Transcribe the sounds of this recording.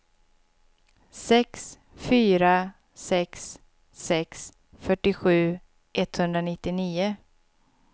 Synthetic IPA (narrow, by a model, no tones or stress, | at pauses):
sɛks | fyːɾa | sɛksː | ɛks | fœʈːɪɧʉ̟ː | ʔɛt̪hɵnd̪ɾanɪt̪ːɪniːʊ